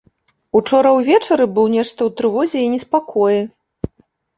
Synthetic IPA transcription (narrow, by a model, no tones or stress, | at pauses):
ut͡ʂɔɾɐwvʲɛt͡ʂɐɾɨbɨwnʲɛʂt̪ɐwt̪ɾɨvɔzʲɛinʲɛspakʰɔjɛ